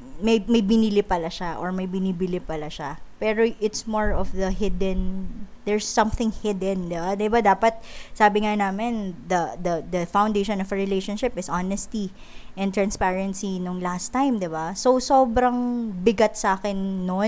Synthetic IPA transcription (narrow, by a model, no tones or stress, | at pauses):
mɐjmɐjbɪnilɪpɐlɐʃaʔoɹmɐjbɪnibɪlɪpɐlaʃapɛːɾoʔɪt̪smoɹɔfðɐhɪd̪ɛnd̪ɛɹsːɐ̃mθɪŋhɪd̪ɛnd̪ɪbad̪ɪbad̪aːpɐt̪̚saːbɪŋanaːmɛnd̪ɐd̪ɐd̪ɐfawnd̪ejʃɔnɔfɹɪlejʃonʃɪpɪsʔanɛst̪i | ʔɛ̃nt̪ɾɹɐ̃nspaɹɛnsinʊŋlast̪ajmd̪ɪbasowso̞ːbɾɐŋbɪɡɐt̪̚sɐʔaːkɛnːo